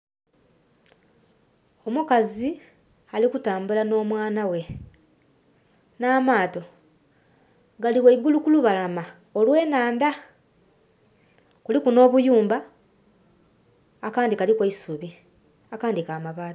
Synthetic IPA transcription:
o̞mukazi | alikutaːmbulano̞ːmwaːnawe̞ | naːmaːto̞ | ɡaliweiɡulukuluβalama | o̞lwe̞ːnaːnda | kulikuno̞ːβujuːmba | kaːndikalikweisuβi | akaːndikaːmaβaːla

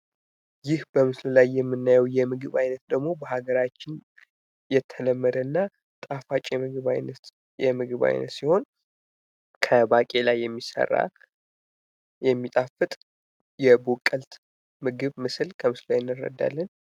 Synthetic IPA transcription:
jɪhbəmɨsləlajːɛmːɨnːajɛwjɛmɨɡɨβajnət̪̚d̪əɡmo̞bəɦaɡəɾat͡ʃːɪn | jɛt̪ʰːələmːəd̪ənːa | t̪ʼafat͡ʃʼemɨɡɨβa̰jnət̪ | jɛmɨɡɨβa̰jnə̰t̪siho̞n | kʰəbakʼe̞lajːɛmːisə̰rːa̰ | jɛmːit̪ʼafɨt̪ʼ | jɛbukʼːəlt̪ | mɨɡɨβmɨsɨlkʰəmɨsləlajnːɨrːə̰d̪ːa̰lːən

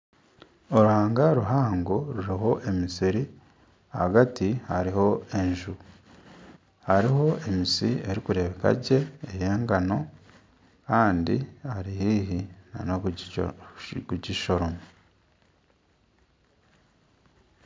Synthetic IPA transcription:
o̞ɾuhaːŋɡaɾuɦaːŋɡoɾuɾiɦo̞ʔe̞misiɾi | hɡatihaɾiho̞e̞ɲʒu | haɾiho̞e̞misieɾikuɾe̞βe̞ka̰ɟe̞ːjeːŋɡano̞ | kaːndiaɾihiːɦinano | kuɟiʃo̞ɾomo

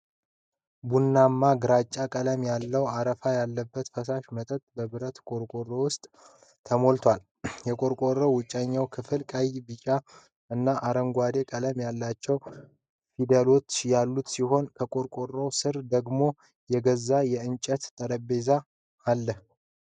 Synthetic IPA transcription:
bunːamːaɡɨɾat͡ʃʼːakʼələmjalːəwaɾəfajalːəbːət̪fəsaʃmət̪ʼət̪ʼbəβɨɾət̪kʼoɾkʼorːowʊst̪ʼ | t̪ʰəmo̞lt̪ʰwal | jɛkʼo̞ɾkʼo̞rowʊt͡ʃʼːaɲːawkʰɨfɨlkʼəjbɨt͡ʃʼa | ɨnːaʔaɾəŋɡʷad̪e̞kʼələmjalːat͡ʃːɛw | fid̪elo̞t͡ʃːjalːut̪siɦo̞nkʰəkʼo̞ɾkʼo̞rːowsɨɾd̪əɡmo̞ | jɛɡəzːajɛɨnt͡ʃʼət̪t̪ʼəɾəbe̞za | alːəh

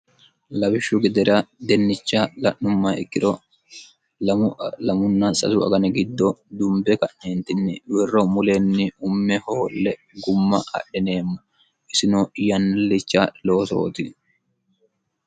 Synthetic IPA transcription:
lɐbɪʃːʊɡɛd̪ɛɾɐd̪ɛnːɪt͡ʃːalɐʔːʊmːɐɪ̰kːɪɾɔ | ɐlɐmʊnːɐsɐ̰t̪ʊɐ̰ɡɐnɛɡɪd̪ːɔd̪ʊmbɛkɐʔneːnt̪ɪnːɪwɛrːɔmʊlenːɪʊmːɛhoːlːɛ | ɡʊmːɐ̰ʔɐ̰ɗːɛne̞ːmːʊ | ʔɪsɪnoːjɐnlɪt͡ʃːalo̞ːt̪o̞̰ːt̪ɪ

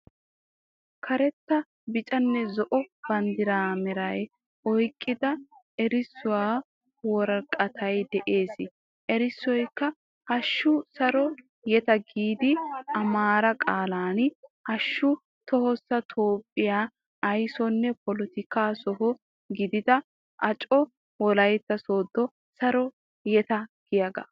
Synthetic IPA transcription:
kʰɐɾɛt̪ːɐ | bɪt͡ʃʼɐnːɛzɔʔɔb̥ɐnd̪ɪɾaːmɛɾɐj | ɔjkʼːɪd̪ɐ | ɛɾɪsːʊwaː | wɔɾɐkʼɐt̪ʰɐjd̪ɛʔe̞ːs | ʔɛɾɪsːɔjkːɐ | hɐʃːʊsɐɾɔ | jɛt̪ɐɡiːd̪ɪɐmaːɾɐkʼaːlaːnhɐʃːʊ | t̪ɔhɔsːɐt̪ʰoːpʼːɪjaː | ɐjsɔnːɛpɔlɔt̪ɪkaːsɔɦɔ | ɡɪd̪ɪd̪ɐ | ʔɐt͡ʃʼɔ | wɔlɐjt̪ːɐso̞ːd̪ːɔ | sɐɾɔ | jɛt̪ɐɡ̥ɪjɐɡɐ̰

